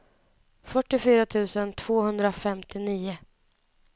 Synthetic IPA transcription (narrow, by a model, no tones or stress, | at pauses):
fœʈːɪfyːɾat̪ʰʉ̟ːsənt̪ʰv̥oːhɵnd̪ɾafɛmt̪ɪniːʊ